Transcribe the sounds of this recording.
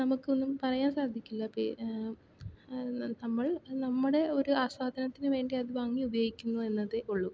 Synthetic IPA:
nɐmukːɨo̞nːumpɐrɐjaːnsaːd̪ʱikʲːulːɐpḛ | nɐmːɐɭnɐmːuɽe̞o̞ɾuaːswaːd̪ʱɐnɐt̪ːinɨʋe̞ːɳɖiaðɨʋaːŋːiubɐjoːɡikʲːunːue̞nːɐðeʔuɭːu

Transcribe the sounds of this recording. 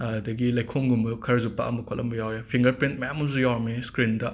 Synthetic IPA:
dɐɡilɐjkʰoŋɡumbɐkʰɐɾɐzupa̰ʔɐmɐkʰɔlʔɐmbɐjawjapʰiŋɡɐɾpɾint̚mɐjamuzujawɾɐmeskɾindɐ

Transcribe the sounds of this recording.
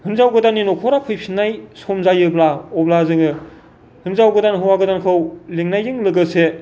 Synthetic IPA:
hɯnzawɡɯdaninɔkʰɔɾapʰɯjpʰinːajsɔmzajɯblaɔblazɯŋɯ | hɯnzawɡɯdanɦɯwaɡɯdankʰɯwleŋnajɯŋlɯɡɯse

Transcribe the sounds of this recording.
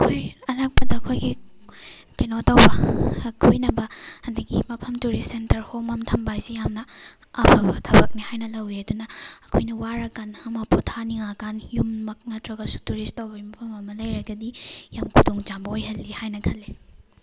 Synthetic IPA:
ɐkʰojɐnak̚pɐdɐɐkʰojɡi | kɐnotɐwbɐkʰujnɐbɐhɐndɐɡimɐpʰɐmtuɾissentɐɾhomɐmtʰɐmbajsijamnɐ | ɐbʰɐbɐtʰɐbɐk̚nihajnɐlɐwiɐdunɐɐkʰojnɐwaɾɐkanɐmɐpotʰaniŋakanjummɐk̚nɐtɾɐɡɐsu̥tuɾistɐwbɐimɐpʰɐmɐmɐlɐjɾɐɡɐdijamkʰudoŋd͡ʒambɐojɦɐlːihajnɐkʰɐlːi

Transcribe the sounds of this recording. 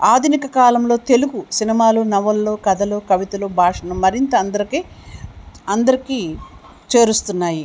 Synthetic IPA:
aːd̪ʱinikɐkaːlɐmlo̞ːt̪e̞luɡusinimaːlunɐʋɐlːoːkɐd̪ʱɐloːkɐʋit̪ɐloːbʱaːʂɐnɐmmːɐɾint̪ɐːnd̪ɐɾikiː | ɐnd̪ɐɾiki | t͡ʃe̞ːɾust̪unːaːji

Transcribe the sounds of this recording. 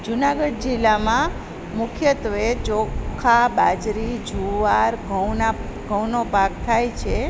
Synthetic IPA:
d͡ʒunaɡəɖ̚d͡ʒilːamã | mʊkʰjət̪ʋet͡ʃokʰabad͡ʒɾid͡ʒʱuʋaɾɡʱəwnaɡʱəwnopak̚t̪ʰajt͡ʃʰe

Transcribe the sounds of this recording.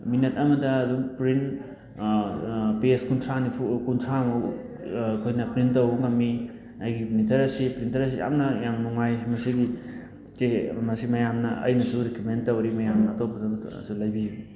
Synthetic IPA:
minet̚ɐmɐdɐːduŋpɾin | peskuntʰɾanipʰukuntʰɾamɐ | kʰojnɐpɾintɐwŋɐmːi | ɐjɡipnitʰɐɾɐsipɾintɐɾɐsia̰mnɐjamnuŋajmɐsiɡi | temɐsimɐjamnɐɐ̰jnɐsuɾikumentːɐwɾimɐjamnɐːtop̚ːɐdɐ̰sulɐjbi

